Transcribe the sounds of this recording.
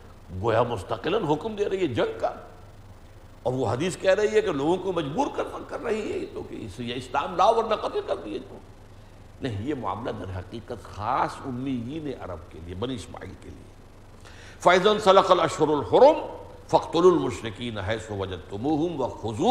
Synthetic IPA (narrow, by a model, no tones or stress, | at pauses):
ɡoːjamʊst̪ɐqɪlənɦʊkmd̪eɾɐɦiɦɛd͡ʒɐ̃ŋɡ̚ka | ɔːɾʋoɦɐd̪iːskɛɦɾɐɦiɦɛkeloːɡõkomɐd͡ʒbuːɾkɐɾnakɐɾːɐɦiɦɛt̪oːkḛsjeɪslaːmlaːoɔːɾnɐqɐt̪ɪlkɐɾd̪iɛt̪oː | nɐɦĩjemʊa̰ːmlad̪ɐɾɦɐqiːqət̪xaːsʊmːid̪iːneʔɐ̰ɾɐ̰b̚keliebɐniɪsma̰ːḭːlkḛlḭḛ | faːɪzɐnsɐlɐqɐlɐʃɦʊɾɐlhʊɾʊm | fɐqt̪ʊluːlmʊʃɾɪkiːnɦɛːsʊʋɐd͡ʒɐd̪̚t̪ʊmuːɦʊmʋɐxʊzuː